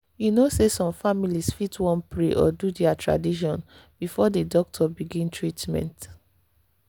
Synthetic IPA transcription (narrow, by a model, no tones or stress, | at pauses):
junosesɔ̃mfamilisfitwɔ̃npɹeʔɔ̰dudɛatɹa̰diʃ̬ɔ̃n | b̥ifɔdədɔk̚tʰɔbiɡĩntʰɹitmɛ̰̃nt